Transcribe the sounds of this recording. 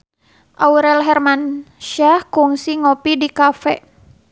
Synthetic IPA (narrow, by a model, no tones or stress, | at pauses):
ʔawɾɛlɦɛrmanʃahkuŋsiŋopidikafɛ